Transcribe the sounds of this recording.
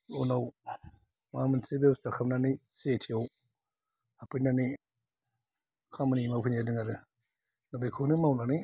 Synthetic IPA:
onaw | mamɯnsebestakʰap̚nanisetʰijaw | apʰɯnani | kʰamanimawpʰɯnadɯŋaɾɯ | nabekʰunɯmawnani

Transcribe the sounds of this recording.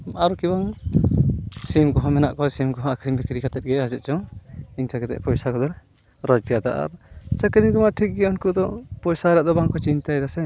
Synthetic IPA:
aɾukibaŋ | simɡɔɦɔ̃mɛnaʔkɔsimɡɔɦɔ̃akʰɾimbikɾikat̪ɛt̪̚ɡɛad͡ʒɛt̪̚ˀt͡ʃɔŋiɲt͡ʃakɛt̪ɛ̰ʔpɔjsakɔd̪ɔɾ | ɾɔd͡ʒpijad̪a̰ʔa̰ɾt͡ʃakɾiɡɔmaʈʰik̚ɡɛunkud̪ɔpɔjsaɾaʔd̪ɔbaŋkɔt͡ʃint̪ajd̪asɛ

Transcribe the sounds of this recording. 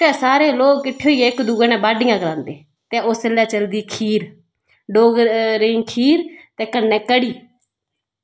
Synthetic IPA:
t̪ẽːsaːɾeːloːɡkɪʈʰːeoːiːeɪkd̪uːɡəːnɛ̃ːbaːɖɪjãːɡəlãːnd̪eː | t̪ẽːoːsəlːɛːt͡ʃəld̪iːkʰiːɾ | ɖoːɡɾeŋkʰiːɾt̪eːkənːɛːkəɽiː

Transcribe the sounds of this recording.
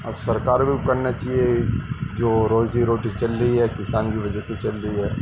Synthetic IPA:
ɐbsɐɾkaːɾbʱikɐɾnat͡ʃaːɦied͡ʒoːɾoːziɾoːʈit͡ʃɐlɾɐiɦɛkɪsaːnkiʋɐd͡ʒɛset͡ʃɐlɾɐiɦɛː

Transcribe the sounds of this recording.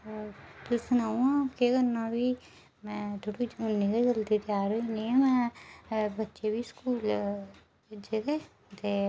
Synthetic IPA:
t̪ʊsʊnaːũãkekəɾnãbʱiː | mɛ̃ːt̪ʰoɽiʊnːĩːkeɡəlt̪it̪ɪjaːɾoinĩːãːmɛ̃ː | bətːʃebʱiːskuːl | d͡ʒet̪eː | t̪eː

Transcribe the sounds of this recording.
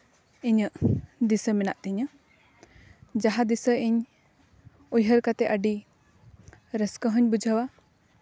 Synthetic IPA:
iɲəʔd̪isəmɛna̰ʔt̪iɲə | d͡ʒaɦad̪isəiɲ | ujɦəɾkat̪ɛʔəɖi | ɾəskəɦəɲbud͡ʒʱəwa

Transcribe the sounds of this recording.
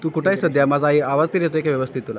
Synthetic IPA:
t̪uːkuʈʰaisəd̪jamad͡zaiaʋad͡zt̪əɾjet̪oekaʋjəʋəst̪ʰit̪ːula

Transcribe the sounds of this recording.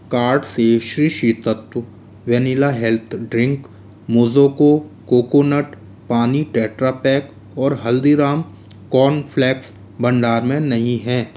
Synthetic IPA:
kaːɾɖseʃɾiːʃiːt̪ət̪wə | ʋɛnɪlaɦɛlt̪ʰɖɾɪ̃ŋk | moːzoːkokoːkonəʈ | paːniʈɛːʈɾaːpɛːk | ɔːɾɦɐld̪iɾaːm | kɔːnfʰlɛːks | bɐ̃ɳɖaːɾmẽnɐɦĩɦɛ̃ː

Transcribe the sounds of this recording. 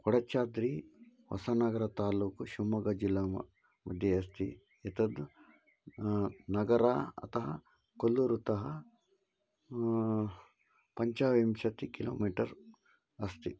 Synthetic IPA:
kɔɽɐt͡ʃːaːd̪ɾi | ʋɐ̰sɐnɐɡɐɾɐt̪aːluːkʃumɐɡɐd͡ʒilːamɐ | mɐd̪ʱjɐɐst̪i | ɛt̪ɐd̪ | nɐɡɐɾaɐ̰t̪ɐɦɐ | kolːuɾut̪ɐɦɐ | pɐɲt͡ʃaːʋimʃɐt̪ikilo̰ːmiːʈɐɾ | ɐst̪i

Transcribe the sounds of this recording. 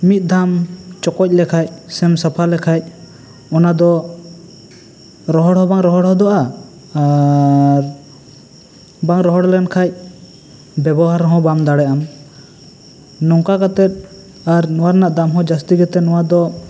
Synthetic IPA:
mit̪̚ˀd̪ʱamt͡ʃɔkɔc̚ˀlɛkʰac̚sɛmsapʰalɛkʰac̚ | ɔnad̪ɔ | ɾɔɦɔɽɦɔbaŋɾɔɦɔɽɦɔd̪ɔʔa | ɾ | baŋɾɔɦɔɽlɛnkʰac̚ | bɛbɔɦaɾɦɔ̃bamd̪aɽɛʔam | nɔŋkakat̪ɛt̪̚ | aɾnɔwaɾnaʔd̪amɦɔ̃d͡ʒast̪iɡɛt̪ɛnɔwad̪ɔ

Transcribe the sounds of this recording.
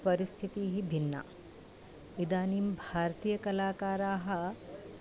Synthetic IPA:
pɐɾist̪ʰit̪iːɦibʱinːa̰ | id̪aːnimbʱaːɾt̪iːjɐkɐlaːkaːɾaːɦɐ

